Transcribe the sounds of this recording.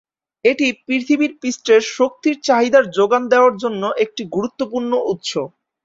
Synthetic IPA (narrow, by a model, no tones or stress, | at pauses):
eʈipɾiɾt̪ʰibiɾpisʈɾeɾʃok̚t̪iɾt͡ɕaɦid̪aɾd͡ʑoɡand̪eoaɾd͡ʑonːoʔek̚ʈiɡuɾut̪ːopuɾnoʔut̪ʃo